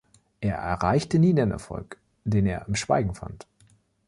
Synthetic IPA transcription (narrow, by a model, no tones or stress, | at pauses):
ʔeːɐʔɛɐʁaɪçtəniːdenʔɛ̰ɐfɔ̰lk | d̥eːneːɐɪmʃv̥a̰ɪɡŋ̩fa̰nt